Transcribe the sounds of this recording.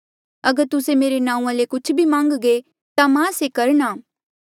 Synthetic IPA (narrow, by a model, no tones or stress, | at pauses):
ɐɡəɾt̪ʊsemeːɾenãːũãlekʊt͡ʃʰbʱimãːŋɡɡe | t̪amãːsekɐɾnaː